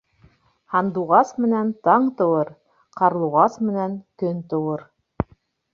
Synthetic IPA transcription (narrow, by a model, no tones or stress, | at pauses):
hɑnd̪uʁɑsmɘ̆nænt̪ɑɴt̪ɤ̆wɤɾ | qɑɾlˠuʁɑsmɘ̆næŋkɵnt̪ɤ̆wɤɾ